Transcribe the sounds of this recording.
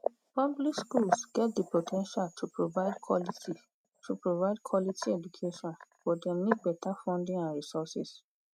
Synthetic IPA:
pɔblikskulsɡ̥ɛt̚depotʰɛ̃nʃaltʰupɹovaɪdkʰɔliti | tʰupɹovaɪd̚kʰwɔlitʰiɛd͡ʒukʰeʃɔ̃nfɔdɛ̃mik̚bɛtʰafɔ̃ndĩŋãnɹisɔsḭs

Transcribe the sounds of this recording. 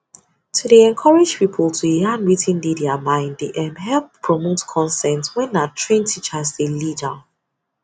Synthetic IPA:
tʰudeɛ̃nkʰɔɹɪd͡ʒpipʰəlˠtʰujãnɹitʰĩndidɛamãɪ̃nddeʔɛ̃mɦɛlˠppʰːɹɔmotkʰɔ̃nsɛ̃ntwɛ̃nːatʰɹẽntʰit͡ʃasdelidə

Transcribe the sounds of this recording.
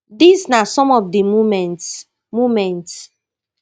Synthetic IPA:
disnasɔ̃mɔvdimumɛ̃nt | mumɛ̃nt

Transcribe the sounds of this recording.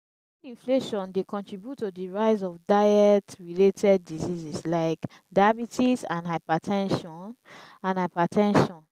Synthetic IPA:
ĩnfleʃɔ̃ndekɔ̃ntɹibjutːodiɹaɪz̬ɔfdajɛtɹiletʰɛd̚ːizizislaɪk | dajabitʰisãnhaɪpatʰɛ̃nʃɔ̃nãnhaɪpatʰɛ̃nʃɔ̃n

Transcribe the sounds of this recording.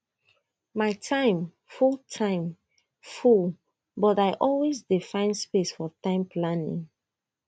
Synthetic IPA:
maɪtʰãɪ̃m | fulˠtʰãɪ̃m | ful | bɔtaɪʔɔlwezdifãɪ̃nspesfɔtãɪ̃mpʰlanḭ̃ŋ

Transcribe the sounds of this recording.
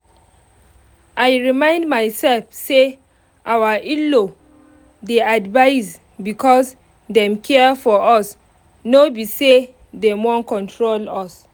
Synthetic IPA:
ʔajɹimãɪ̃ndmajsɛlfse | ʔawəʔilo | deadvaɪs | bikʰɔs | dɛ̃mkʰɛfɔʔɔs | nobise | demɔ̃nkɔ̃ntʰɹolɔs

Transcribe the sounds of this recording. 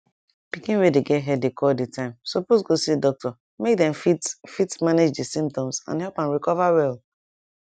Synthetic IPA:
pikĩnwedeɡɛtɦɛdekʰɔditʰãɪ̃msɔposɡosidɔk̚tʰɔ | mek̚dɛ̃mfitfitmaned͡ʒdisĩmptɔ̃msã̰nhɛlˠpãnɹikɔvawɛlˠ

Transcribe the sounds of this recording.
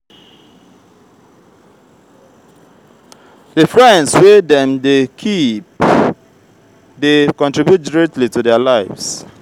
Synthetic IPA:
dəfɹɛ̃ndswedɛ̃mdekʰip | dekɔ̃ntɹibjut̚dɹɛtlitudɛalaɪvs

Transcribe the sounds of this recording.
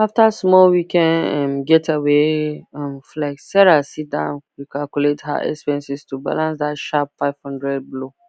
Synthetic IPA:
aftasmɔlwikʰɛ̃nɛ̃mɡɛtʰaweɛ̃mflaksɛɾasidãʊnwikʰalkuletha̰ʔɛ̰kspɛ̃nsistʰuba̰lãnsdaʃapfaɪv̥hɔ̃ndɹɛd̚blo

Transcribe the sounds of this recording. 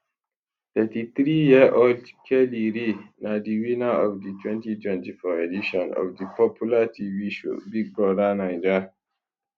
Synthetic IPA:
θɛtiθɹijiʔodkʰɛliɹinadiwinaɔvditʰwɛ̃ntitwɛ̃ntifɔediʃɔ̃nɔ̰vdipɔpʰjulatʰiviʃo̰biɡ̚bɹɔdanãɪd͡ʒə

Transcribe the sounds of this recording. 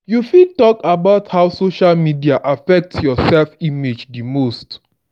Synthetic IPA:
jufitɔkabaʊthaʊsoʃalmidiaʔafɛk̚tjɔsɛlfimed͡ʒdimost

